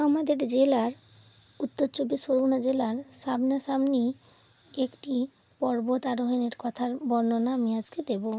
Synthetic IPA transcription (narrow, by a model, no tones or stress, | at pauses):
amad̪eɾd͡ʑelaɾ | ut̪ːoɾt͡ɕobːisoɾunad͡ʑelaɾsabnaʃamni | ekʈi | pɔɾbot̪aɾoɦeneɾkɔt̪ʰaɾbɔɾnonaamiad͡ʑked̪ebo